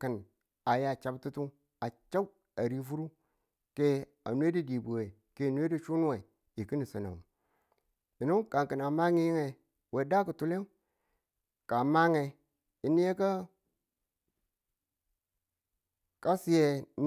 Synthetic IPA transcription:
kə˨n | a˨ja˨t͡ʃa˨btu˦tu˦ | a˨t͡ʃa˦w | a˨ɾi˦fu˦ɾu˦ | ke˦ | a̰˨nwe˦di˦di˨bu˨we˨ | ke˦˨n˦e˦di˦t͡ʃu˦nu˦we˨ | i˨ki˦ni˨sə˨na̰˨n˨ | i˨nu˦ka˨ŋki˨na˨ma˦ŋi˦ji˦ŋe˨ | we˨da˦ku˨tu˦le˦ | ka˨ma˦ŋe˨ | i˨ni˦e˦ka˦ | ka˦si˦je˨

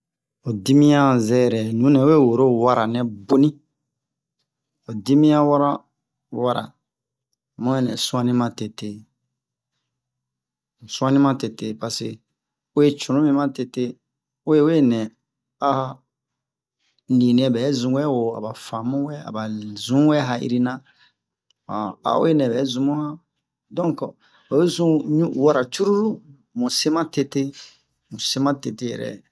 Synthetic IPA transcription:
o˨di˦mĩ˦ã˦zɛ˦˨ɾɛ˨nũ˨˦nɛ̃˨o˦e˦wo˨ɾo˦wa˦ɾa˨nɛ̃˨bo˦nĩ˦ | o˨di˦mĩ˦jã˦wa˦ɾa˦ | wa˦ɾa̰˨ | mɔ̃˦ɛ˦˨nɛ̃˨sũ˦ã˦nĩ˦mã˦te˨te˨ | sũ˦ã˦nĩ˦mã˦te˨te˨pa˨se˨ | o˦je˦t͡ʃũ˨ũ˦mĩ˦mã˦te˨te˦ | o˦je˦we˦nɛ̃˨ | a˦ha˦ | li˨nĩ˨ɛ˨bɛ˨˦zũ˨wɛ˦wo˨a̰˨ba˨fã˨mũ˦wɛ˦a̰˨ba˨zũ˨˦wɛ˦ɦa˨ḭ˦ɾi˦nã˦ | a˨a̰˨o̰˦je˦nɛ̃˨bɛ˨˦zũ˨mũ˦hã˦ | dɔ̃˦ŋk | o˨e˦zũ˦ɲu˦wa˨ɾa˨t͡ʃu˦ɾu˦ɾu˦ | mũ˨se˦mã˦te˦te˦ | mũ˨se˦mã˦te˨te˦jɛ̰˨ɾɛ̰˨

